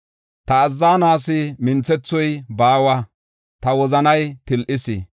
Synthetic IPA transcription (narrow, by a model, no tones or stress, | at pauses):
t̪ɐːzːaːnaːsɪmɪnt͡sːɛt͡sːɔjbaːwɐ | t̪ɐwɔzɐnɐjt̪ɪlʔɪsɪ